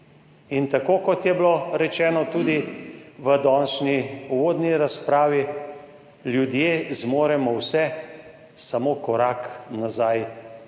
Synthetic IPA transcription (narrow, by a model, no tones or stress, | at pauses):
int̪akoːkɔt̪jɛbloɾɛt͡ʃɛːnɔt̪uːd̪iʋəd̪ɔːnʃniuʋoːd̪niɾaspɾaːʋi | ljud̪jeːzmoːɾɛmɔwsɛ | samoːkɔɾaknazaj